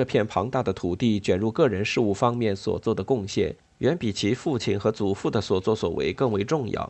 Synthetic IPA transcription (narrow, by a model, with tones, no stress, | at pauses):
ɤ˥˧pʰjɛ˥˩npʰɑ˧˥ŋt̪a˥˩d̪ə˩t̪ʰu˨˩t̪i˥˩t͡ɕɥɛ˨˩nɻu˥˧kɤ˥˩ɻə˧˥nʂɻ̩˥˧u˥˩fɑ˥ŋmjɛ˥˩nswɔ̰˨˩t͡swɔ˥˩d̪ə˩kʊ˥˧ŋɕjɛ̰˥˩n | ɥɛ˧˥npi˨˩t͡ɕʰi˧˥fu˥˩t͡ɕʰi˨˩nxɤ˧˥t͡su˨˩fu˥˩d̪ə˩swɔ˨˩t͡swɔ˥˩swɔ̰˨˩wḛ˧˥ɪkɤ˥˩ŋwe˧˥ɪʈ͡ʂʊ˥˧ŋjɑ̰˥˩ʊ